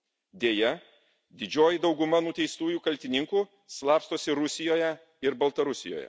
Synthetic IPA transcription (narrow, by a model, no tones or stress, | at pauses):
d̪ʲeːjɛ | d̪ʲɪd͡ʒʲoːjid̪ɒʊɡʊmɐnʊt̪ʲɛɪst̪uːjuːkɐlʲt̪ʲɪnʲɪŋkuː | slˠɑːpst̪oːsʲɪɾʊsʲɪjoːjɛ | ɪɾbɐlˠt̪ɐɾʊsʲɪjo̰ːjɛ̰